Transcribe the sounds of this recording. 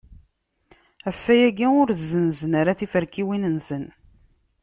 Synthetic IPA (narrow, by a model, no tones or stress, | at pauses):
æfːæjæɡiʊɾzːənzənaɾaθifəɾkiwinənsən